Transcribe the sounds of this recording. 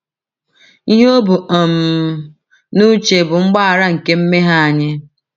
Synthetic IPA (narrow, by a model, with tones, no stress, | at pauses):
i˦ɦe˦o˦bʊ˨ɔ˨m̩˨ | nu˦t͡ʃe˨bʊ˨ŋ͡m̩˦ɡ͡ba˦a˨ɾa˦ŋ̩˨ke˦m̩˦me˦ɦa˦a˨ɲɪ˦